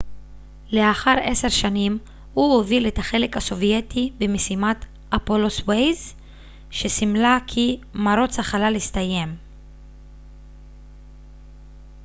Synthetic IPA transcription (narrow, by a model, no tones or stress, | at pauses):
le̞aχaʁe̞se̞ʁʃanim | huoviletaχe̞le̞khaso̞vje̞tibemesimat | ʔapo̞lo̞swejz | ʃe̞simlakʰimaɾo̞t͡shaχalalistaje̞m